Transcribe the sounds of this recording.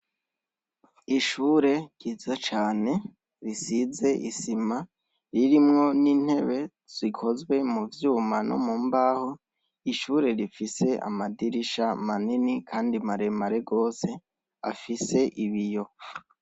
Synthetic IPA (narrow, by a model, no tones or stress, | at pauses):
iʃuːɾe̞ɟ̥izat͡ʃaːne̞ | ɾisize̞ʔisima | ɾiɾimŋo̞nin̥he̞βe̞ | z̥ikʰo̞zwe̞muvjuːmano̰mumbaːho | iʃuːɾe̞ɾifise̞ʔa̰madiɾiʃamaninikʰaːndimaɾe̞maɾe̞ɡo̞ːse̞ | a̰fise̞ʔiβijo̞